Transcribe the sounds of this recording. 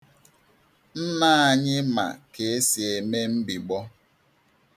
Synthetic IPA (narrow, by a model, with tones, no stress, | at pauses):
n̩˦na˦a˦˨ɲɪ˦ma̰˨ke˨e˦si˨e˨me˦m̩˦bi˨ɡ͡bɔ˦